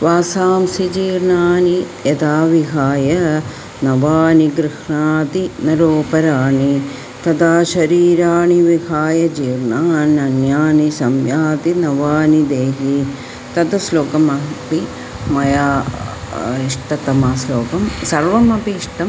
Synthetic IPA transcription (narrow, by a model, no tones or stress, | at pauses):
ʋaːsaːmsid͡ʒiːɾnaːnijɐd̪aːʋiɦaːjɐ | nɐʋaːniɡɾɪhɳaːt̪inɐɾoːpɐɾaːɳi | t̪ɐd̪aːʃɐɾiːɾaːɳiʋiɦaːjɐd͡ʒiːɾnaːnɐnjaːnisɐmjaːt̪inɐʋaːnid̪eːɦi | t̪ɐd̪ɐsloːkɐmɐpi | mɐjaː | iʂʈɐt̪ɐmaːsloːkɐmsɐɾʋɐmɐpiʂʈɐm